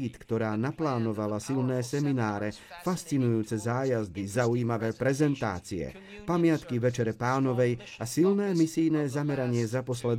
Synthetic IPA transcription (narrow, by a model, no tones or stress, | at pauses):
it̪kt̪ɔɾaːnaplaːnɔʋalasilnɛːsɛminaːɾɛ | fast͡sinujuːt͡sɛzaːjazd̪izauiːmaʋɛːpɾɛzɛnt̪a̰ːt͡siɛ̰ | pamɪat̪kiʋɛt͡ʃɛɾɛpaːnɔʋɛj | asilnɛːmisijnɛːzamɛɾaɲɪɛzapɔslɛd̪